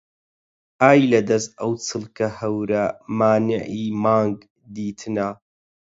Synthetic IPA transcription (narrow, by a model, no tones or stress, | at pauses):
ʔaːjlɐd̪ɐst̪ʔɐwt͡sʰɨlˠkɐhɐwɾɐmaːnɪʕiːmaːŋɡ | d̪iːt̪ʰɨnɐ